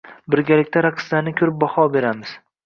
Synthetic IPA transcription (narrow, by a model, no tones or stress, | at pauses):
bɪɾɡʲalɪkʲt̪ʰaɾaqʰɨ̥slaɾnɪkʲʰʊɾɪp̚bɒhɒbe̞ɾamɪz̥